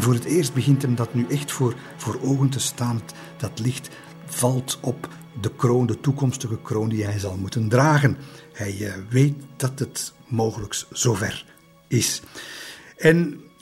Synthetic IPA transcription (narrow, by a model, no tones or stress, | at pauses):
nvoːɾətɪːrst̚bəɣɪntɦɛmdɑtnyʔɛxtfoːr | v̥oːɾoːɣənt̬əstaːn | d̥ɑtlɪxt | v̥ɑlˠtɔp | dəkroːndətukɔmstəɣəkroːndiɦɛjzɑlˠmutəndraːɣənhɛjʋeːt̚d̥ɑtɦətmoːɣələksz̥oːvɛ̰r | ɪs | ɛn